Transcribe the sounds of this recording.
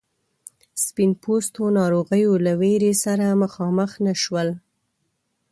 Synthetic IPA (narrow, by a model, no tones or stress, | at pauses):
spinpost̪onɑɾoɣəjolaweɾesaɾaməxɑməxnaʃwəl